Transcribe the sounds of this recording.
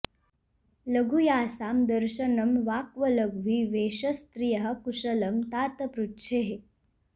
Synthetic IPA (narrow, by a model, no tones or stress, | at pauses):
ləɡʱujaːsamd̪əɾɕənəmʋaːkʋələɡʋiːʋeːɕəst̪ɾijəɦə̆kuʂələmt̪aːt̪əpɾutːɕʰeɦe